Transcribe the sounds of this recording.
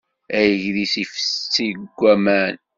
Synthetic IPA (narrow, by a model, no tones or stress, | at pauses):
æjəʝðisift͡sːiɡʷːæmæn